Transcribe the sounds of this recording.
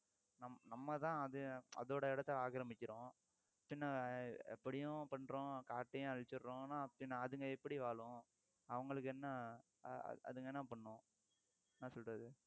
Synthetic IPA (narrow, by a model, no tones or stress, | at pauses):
nɐmnɐmːɐt̪ãːɐðɯɐ̰ðoːɽɐɪɽɐt̪ːɐaːkɐɾɐmɪkʲːɪɾʊ̃ː | pːɪnːɐɛ̰pːɐɽɪjʊ̃pɐɳːɾõkaːʈːɐjʊ̃ɐɻɪt͡ʃːɪɾːʊ̃ːnãːpːɪnːɐːðɯŋɡɐɛpːɐɽiʋaːɭʊ̃ | ɐʋɐŋɡɐɭɯk̬ːɯɛnːɐ̰ | ɐ̰ðɯŋɡɐɛnːɐpɐɳːʊ̃ | nãːsɔlrɐðɯ